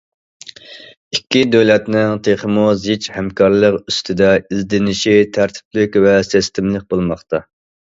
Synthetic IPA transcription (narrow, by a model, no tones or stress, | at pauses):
ikʲʰːid̪øwlɛt̪nɪŋt̪ʰeχəmuzit͡ʃhɛmkʰɑɾlˠəqyst̪ʰɪd̪ɛizd̪ɪnɪʃit̪ʰæɾt̪ʰɪ̥plɪkʲvɛsɪst̪ʰɪmlˠɪk̚ʲbolˠmɑχt̪ɑ